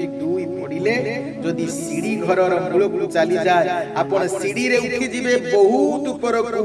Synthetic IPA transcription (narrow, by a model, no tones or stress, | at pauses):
id̪ujpɔɽile | d͡ʒɔd̪isiɽiɡʱɔɾɔɾɔmuɭokut͡ʃalid͡ʒaeapɔɽ̃ɔsiɽiɾeuʈʰid͡ʒibebɔɦut̪upɔɾɔku